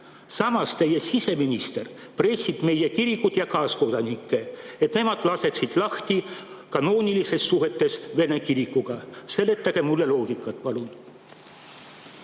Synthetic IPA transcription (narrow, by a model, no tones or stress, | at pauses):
sɑmɑst̪e̞je̞sise̞minist̪e̞rpre̞sʲːib̥me̞je̞kiɾikːˑud̪̥jɑkɑːsko̞d̪̥ɑnikˑːe̞et̪ne̞mɑd̪̥lɑse̞ksid̪̥lɑht̪i | kɑno̞ːnʲilise̞sːuɦe̞t̪ːe̞sve̞ne̞kiɾikːuɡ̥ɑse̞lːet̪ːˑɑɡ̥emulːe̞lo̞ːɡ̥ikːˑɑt̪ːˑpɑlun